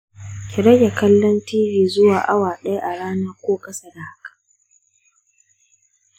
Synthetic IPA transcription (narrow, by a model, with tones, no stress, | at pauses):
kʲɪ˨ɾɐ˦ɡʲa˨kɐ˦lːɔ˦ntiː˦biː˨zʊ˦waː˨ʔa˦waː˨ɗɐ˦ja˦ʔa˨ɽaː˦naː˦kʷoː˦kʼɐ˦sa˨da˨ha˦kḁ˨